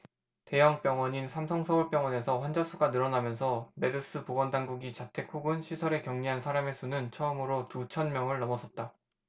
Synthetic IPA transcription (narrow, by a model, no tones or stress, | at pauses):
te̞jʌŋp͈jʌŋwʌɲinsʰamsʰʌŋsʰʌuɭp͈jʌŋwʌne̞sʰʌɸwand͡ʑas͈ʰuɡanɯɾʌnamjʌnsʰʌme̞dɯs͈ɯpoɡʌndaŋɡuɡit͡ɕatʰe̞kʰoɡɯnɕʰisʰʌɾe̞kjʌŋɲiɦansʰaɾame̞sʰunɯnt͡ɕʰʌɯmɯɾotut͡ɕʰʌnmjʌŋɯɭnʌmʌsʰʌt̚t͈a